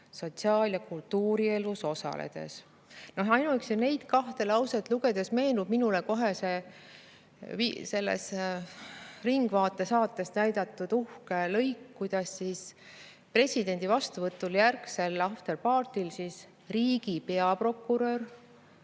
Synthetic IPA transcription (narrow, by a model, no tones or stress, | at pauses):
so̞t̪siɑːljɑkult̪ːuːɾie̞luso̞sɑ̰lḛd̪̥e̞̰s | no̞ɦɑjnuksine̞jd̪̥kɑht̪e̞lɑwset̪ˑluɡ̥e̞d̪̥e̞sme̞ːnub̥̚minuleko̞ɦe̞se̞ | vise̞lːḛs | riŋɡ̥vɑːt̪ˑːe̞sɑːt̪ːˑe̞snæjd̪̥ɑt̪ːˑud̪̥uhkelɤ̞jkːujd̪̥ɑsːis | pre̞sʲid̪e̞nʲd̪̥ivɑst̪uvɤt̪ːˑuljærkse̞lːɑft̪elpɑːrt̪ilsis | riːɡ̥ipe̞ɑpro̞kːuɾør